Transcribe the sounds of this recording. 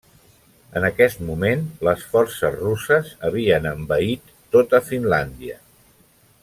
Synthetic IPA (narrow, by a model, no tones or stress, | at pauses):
ənəkɛst̪mumenləsfɔrsəzrusəzəβ̞iənəmbəit̪ːot̪əfinland̪iə